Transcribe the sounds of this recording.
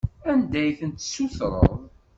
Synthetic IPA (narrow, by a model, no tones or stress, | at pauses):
ænd̪æjθənt̪suθɾˤə̰ðˤ